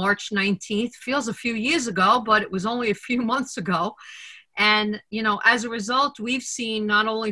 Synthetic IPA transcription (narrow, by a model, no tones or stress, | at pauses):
ɑɹt͡ʃnãɪ̃ntʰĩnθfilˠzəfjʉjɪɹzɨɡoʊbʌɾɨʔ̚wʌzõʊ̃nliɨfjʉmʌ̃nθsɨɡoʊ | ʔɨ̃njɨnoʊʔɨzɨɹɨzʌlˠt̚wiv̥sĩnːəɾõʊ̃nli